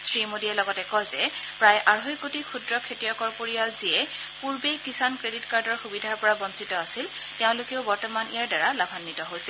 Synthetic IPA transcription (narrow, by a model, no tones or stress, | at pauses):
sɹimodiɛlɔɡɔtɛkɔjzɛ | pɹajʔaɹɦojkotikʰudɹɔkʰetijɔkɔɹpoɹijalziɛ | puɹbejkisankɹeditkaɹdɔɹxubidʱaɹpɔɹaɡɔnsitɔasil | teʊ̃lʊkeʊbɔɹtɔmanijaɹdaɹalabʱanːitɔɦojsɛ